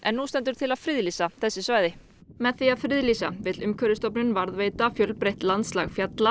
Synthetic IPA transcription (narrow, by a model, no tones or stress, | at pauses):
ɛnːust̪ɛnt̪ʏɾ̥t̪ʰɪlaðfɾɪðlisaθɛsːɪsvaːjðɪ | mɛðθiaðfɾɪðlisa̰vɪt̪lʏmkʰœːɾʏst̪ɔpnʏnvaɾðveːjt̪afjœlpɾejht̪lant̪slaɣfjat̪la